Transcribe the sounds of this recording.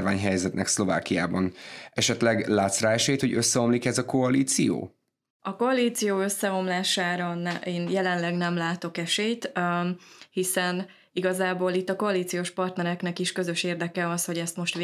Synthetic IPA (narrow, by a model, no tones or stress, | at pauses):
rvaːɲɦɛjzɛt̪nɛ̰kslo̞va̰ːkija̰ːbɒnɛʃɛt̪lɛɡlaːt̪sraːɛʃɛjt̪hoɟøsːɛo̞mlikɛzɒko̞ɒliːt̪sijo̰ː | ɒko̞ɒliːt̪sijoːø̞sːɛo̞mlaːʃaːɾɒnɛeːnjɛlɛnlɛɡnɛmlaːt̪o̞kɛʃejt̪ | hisɛn | iɡɒzaːboːlit̪ːɒko̞ɒliːt̪sijoːʃpɒrt̪nɛɾɛknɛkiʃkø̞zø̞ʃeːrd̪ɛkɛɒsho̞ɟɛst̪mo̞ʃt̪